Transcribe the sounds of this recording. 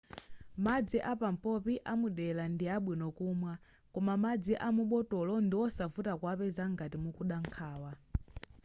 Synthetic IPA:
mad͡ziʔapam̩pɔpiʔamuɗɛlandiaɓwinɔkumwa | kɔmamad͡ziʔamuɓɔtɔlɔndiwɔsavutakwapɛzaŋɡatimukuɗaŋkʰaːwa

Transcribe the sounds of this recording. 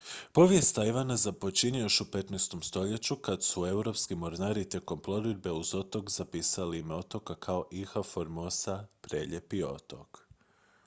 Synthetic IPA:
po̞ʋje̞st̪aiʋanazapo̞t͡ɕinijo̞ʃupe̞t̪nɛjst̪o̞mst̪o̞ʎet͡ɕukad̪sue̞uwɾo̞pskimoɾnaɾit̪ʲje̞ko̞mplˠo̞ɾid̪be̞uzo̞t̪o̞kz̥apiːsaliimeo̞t̪o̞kakʰao̞ʔixafoɾmosapɾeːʎe̞pio̞̰t̪o̞̰k

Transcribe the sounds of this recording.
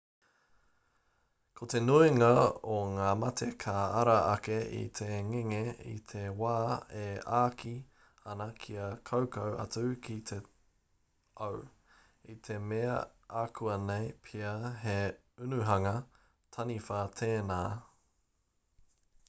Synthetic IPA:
kʰot̪e̞nuiŋɐoŋaːmɐt̪ʰekʰaɐɾɐɐkeḭt̪ʰeŋiŋeḭt̪ʰewaːeaːkʰi | ɐnɐkʰiɐkʰowkɐwɐ̰t͡sʉkʰit̪ʰe | ow | it̪ʰe̞meɐ̰aːkʰuɐnejpʰiɐɦe | ʉnʉɦɐŋɐ | tʰɐnifɐt̪ʰeːnaː

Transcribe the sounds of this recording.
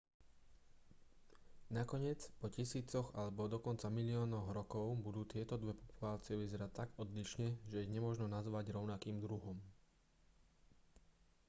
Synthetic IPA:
nakɔɲɪɛt͡spɔcisiːt͡sɔɣalɛbɔd̪ɔkɔnt͡samilɪɔːnɔɣɾɔkɔʊbud̪uːt̪ɪɛt̪ɔd̪ʋɛpɔpulaːt͡sɪɛʋizɛɾat̪ːaɡɔd̪liʃɲɛʒɛjɛɲɛmʊɔʒnɔnazʋaɟɾɔʊnakiːmd̪ɾuɦɔm

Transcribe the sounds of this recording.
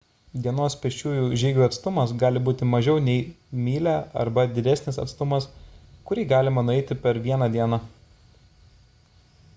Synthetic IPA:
d̪ʲiɛnoːspʲɛʃʲt͡ʃʲuːjuːʒʲɛːɡʲuːɐt̪st̪ʊmɐsɡɑːlʲɪbuːt̪ʲɪmɐʒʲɛʊnʲɛɪ | mʲiːlʲæːɐ̰ɾbɐd̪ʲɪd̪ʲɛsʲnʲɪsɐ̰t̪st̪ʊmɐskʊɾʲiːɡɑːlʲɪmɐnʊɛɪt̪ʲɪpʲɛɾʋʲiɛnɐd̪ʲiɛnɑ

